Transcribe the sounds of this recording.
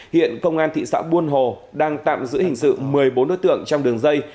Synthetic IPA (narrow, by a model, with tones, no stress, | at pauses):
hḭ˧˨ənkə˧wŋ͡mʔaː˧nt̪ḭ˧˨sa̰ː˧˥wɓu˧ənɦo˨˩ɗaː˧ŋt̪a̰ː˧˨mzɨ̰˧˥hï˨˩ŋ̟sɨ̰˧˨mɨ˨˩əjɓo˨˦nːo̰˧˥jt̪ɨ̰˧˨əŋt͡ɕɔ˧wŋ͡mɗɨ˨˩əŋzə˧j